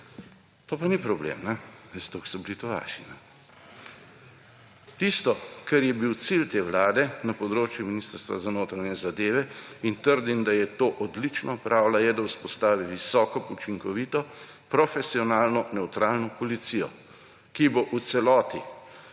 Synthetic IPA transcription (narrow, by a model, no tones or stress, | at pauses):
t̪oːpanipɾɔblḛmnɛst̪oksɔbilit̪oʋa̰ːʃinɛ | t̪ist̪ɔkɛɾjɛbiwt̪silt̪eːʋlaːd̪ɛnapɔd̪ɾoːt͡ʃjuminiːst̪əɾst̪ʋa̰zanoːt̪ɾanjɛzad̪eːʋɛint̪əɾd̪imd̪ajɛt̪oːʔɔd̪lit͡ʃnɔpɾʔaːwlajɛd̪auspɔst̪aːʋiʋisɔːkɔput͡ʃiŋkɔʋiːt̪ɔ | pɾɔfɛsiɔnaːlnɔnɛwt̪ɾaːlnɔpɔlit̪sijɔ̰ | kiboʔut̪sɛlɔːt̪i